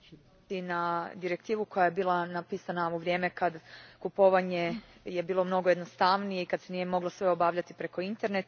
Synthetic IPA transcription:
inad̪iɾe̞k̚t̪iːʋuko̞jajebiːlˠanapiːsanauʋɾje̞ːme̞kad̪kupo̞ʋaɲe̞je̞biːlˠo̞mno̞ɡojeno̞st̪aʋnijeikad̪se̞nije̞mo̞ɡlosʋe̞o̞baːʋʎat̪ipɾe̞ko̞int̪e̞ɾne̞t̪

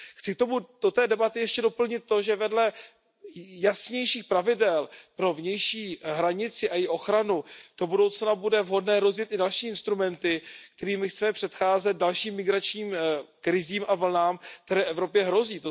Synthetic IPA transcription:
xt͡sɪk̚t̪o̞mud̥ot̪ɛːdɛbat̪ɪjɛʃcɛdo̞pl̩ɲɪt̪̚ːo̞ʒɛvɛdlɛ | jasɲɛjʃiːxpɾavɪdɛlpɾo̞vɲɛjʃiːɦɾaɲɪt͡sɪʔajɪʔo̞xɾanud̥o̞budo̞wt͡snabudɛvɦo̞dnɛːɾo̞zvjɛt̪ɪdalʃiːɪnst̪ɾumɛnt̪ɪk̚t̪ɛɾiːmɪxt͡sɛmɛpr̝̥ɛt̪xaːzɛt̪̚dalʃiːmːɪɡɾat͡ʃɲiːmkɾɪziːmʔavl̩naːmkt̪ɛɾɛːfɛvɾo̞pjɛɦɾo̞ziːt̪o

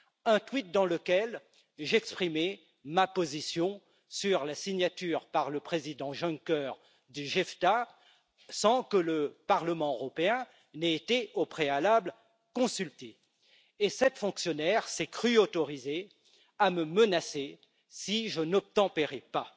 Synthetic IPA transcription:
ɛ̃t̪wit̪̚d̪ɑ̃ləkʲɛl | ʒɛkspχime | mapozisjɔ̃ | syʁlasiɲjat̪yːʁpaʁləpχezid̪ɑ̃ʒɔ̃ŋkœʁ | d̪yʒɛft̪a | sɑ̃kələpaʁləmɑ̃øʁɔpeɛ̃ | neːt̪eopχealabl | kɔ̃sylt̪eː | sɛt̪fɔ̃ksjɔnɛʁsɛkχyot̪ɔʁize | aməmənase | siʒənɔp̚t̪ɑ̃peʁɛpa

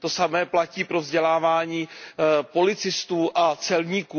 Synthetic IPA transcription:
t̪o̞samɛːplaciːpɾo̞vzɟɛlaːvaːɲiːpo̞lɪt͡sɪst̪uːʔat͡sɛlɲiːkuː

